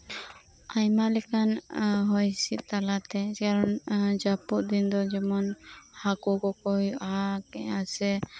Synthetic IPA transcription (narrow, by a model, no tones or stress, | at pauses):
ajmalɛkanɦɔjsit̪̚t̪alat̪ɛkaɾɔnd͡ʒapuʔd̪ind̪ɔd͡ʒɛmɔnhakukɔkɔjuʔaɦakɛʔasɛ